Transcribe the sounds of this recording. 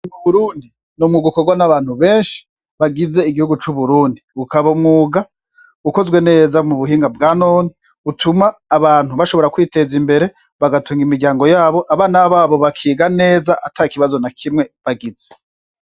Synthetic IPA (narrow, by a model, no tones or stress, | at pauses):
muβuɾuːndi | numŋuːɡukoɡwanaβaːn̥huβe̞ːnʃi̥ | βaɡize̞iɡihuɡut͡ʃuβuɾuːndiukaβaumŋuːɡa | uko̞zɡwe̞ne̞ːzamuβuhiːŋɡabɡaːnoːni | utʰumaːβaːn̥huβaʃo̞βo̞ɾakwiːte̞zimbe̞ɾe̞ | βaɡatuŋɡimiɾɟaːŋɡo̞jaːβo̞ʔaβaːnaβaːβo̞βakʰiːɡane̞ːzaʔatʰaikiβazo̞nakʰimŋe̞βaɡize